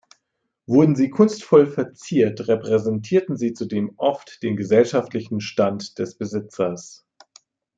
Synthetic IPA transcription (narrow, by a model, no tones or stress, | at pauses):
vʊɐdn̩ziːkʰʊnstfɔlfɛɐt͡siːɐtʁɛpʁ̥ɛzɛntʰiːɐtn̩ziːt͡sudeːmʔɔftd̥eːnɡəzɛlʃaftlɪçn̩ʃtantd̥ɛsb̥əzɪt͡sɐs